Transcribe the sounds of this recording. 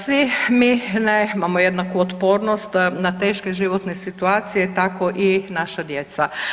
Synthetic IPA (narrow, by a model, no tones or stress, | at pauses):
sʋiminemamojed̪nakuot̪poːɾnost̪nat̪eːʃkeʒiʋot̪nesit̪uaːt̪sijet̪akoʔinaʃad̪jet̪sa